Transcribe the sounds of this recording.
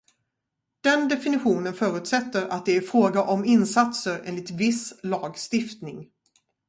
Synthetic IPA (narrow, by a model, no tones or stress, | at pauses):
d̪̥ɛnd̪ɛfɪnɪɧuːnənfœːɾʉ̟ːt̪sɛt̪ːəɾat̪̚d̪ɛæɾfɾoːɡaʔɔmɪnsat̪səɾḛːnlɪt̪vɪslɑːɡst̪ɪft̪nɪŋ